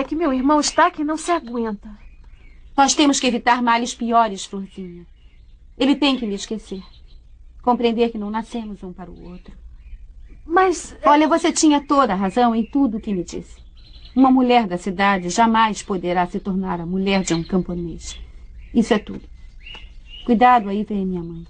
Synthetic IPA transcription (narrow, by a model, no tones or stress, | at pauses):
ɛkɪmewiɾmɐ̃w̃ɪʃt̪akɪnɐ̃w̃sɪaɡwẽnt̪ɐ | nɔst̪ẽmʊskɪevit̪aɾmalɪspiɔɾɪsfɾoɾzĩɲɐ | elɪt̪ẽj̃kɪmɪeʃkeseɾ | kõmpɾiẽnd̪eɾkɪnɐ̃w̃nasẽmʊzũpaɾɐʊ̰owt̪ɾʊ | mɐsɔʎɐvoset͡ʃĩɲɐt̪od̪ɐːɦazɐ̃w̃ẽj̃t̪ud̪ʊːkɪmɪd͡ʒḭsɪ̥ | ũmɐmuʎɛɾd̪ɐsid̪ad͡ʒɪʒamajspod̪eɾasɪt̪oɾnaɾɐmuʎɛɾd͡ʒɪũkɐ̃mponeʃɐ̥isʊɛt̪ṵd̪ʊ | kujd̪ad̪ʊaivẽj̃ɐmĩɲɐmɐ̃j̃